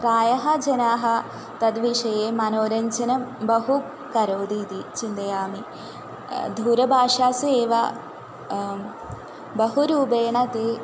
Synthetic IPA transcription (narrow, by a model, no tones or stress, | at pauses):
pɾaːjɐɦɐd͡ʒɐnaːɦɐ̆ | t̪ɐd̪ʋiʂɐjeːmɐnoːɾɐɲt͡ʃɐnɐmbɐɦu | kɐɾoːd̪iːt̪it͡ʃind̪ɐjaːmi | d̪ʱuːɾɐbʱaːʂaːsueːʋɐ | bɐɦuɾuːbeːɳɐt̪eː